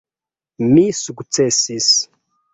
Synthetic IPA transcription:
misukut͡sesis

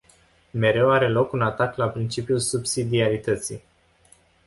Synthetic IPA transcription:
me̞ɾe̞waɾe̞lo̞kunat̪aklapɾint͡ʃipijulsubsid̪iaɾit̪ət̪sḭj

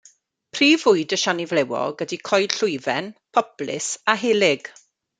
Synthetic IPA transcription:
pʰriːvʊɨdəʃanɪvlɛwɔ̰ɡədikʰɔjd̥ɬʊjvɛnpʰɔb̥lɪ̰saɦɪlɪɡ̥

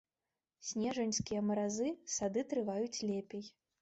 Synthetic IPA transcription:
sʲnʲɛʐɐnʲskʲijɐmɐɾazɨsad̪ɨt̪ɾɨvajut͡sʲlʲɛpʲɛj

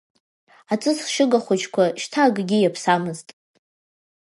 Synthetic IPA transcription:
at͡sʼɨsʃɨɡaχʷat͡ʃʰkʷʰaʃtʰaɡɡʲijapʰsamɨztʼ

